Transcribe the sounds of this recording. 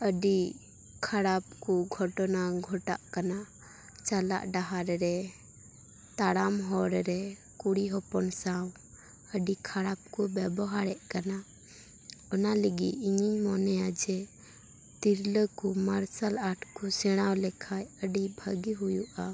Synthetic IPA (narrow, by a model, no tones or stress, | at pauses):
əɖi | kʰaɽap̚kuɡʱɔʈɔnaɡʱɔʈa̰ʔkana | t͡ʃala̰ʔɖaɦaɾɾɛ | t̪aɽamɦɔɾɾɛ | kuɽiɦɔpɔnsaw | əɖikʰaɽap̚kɔbɛbɔɦaɾɛʔkana | ɔnaləɡiiɲiɲmɔnɛad͡ʒɛ | t̪iɾləkumaɾsalaʈʰkusɛɽ̃awlɛkʰajəɖibʱəɡiɦujuʔa